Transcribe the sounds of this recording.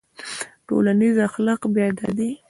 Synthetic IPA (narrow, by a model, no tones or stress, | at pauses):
ʈo̰lanizaxlɑqbjɑd̪a̰d̪i